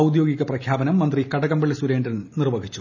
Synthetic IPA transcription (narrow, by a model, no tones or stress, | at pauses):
ɐwud̪jo̞ːɡiɣɐprɐkʰjaːbɐnɐmːɐnd̪rikɐɽɐɣɐmbeɭːɐsuɾe̞ːndɐrɐnnirʋɐɡʱit͡ɕːu